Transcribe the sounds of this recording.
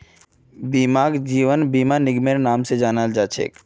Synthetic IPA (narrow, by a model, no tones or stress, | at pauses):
bimaːɡd͡ʒiːʋənbimanɪɡmeɾnaːmsed͡ʒaːnald͡ʒaːt͡ʃʰḛːk